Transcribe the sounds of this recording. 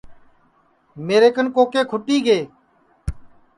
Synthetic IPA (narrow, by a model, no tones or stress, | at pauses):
meːɾeːkənkoːkeːkʰʊʈiːɡeː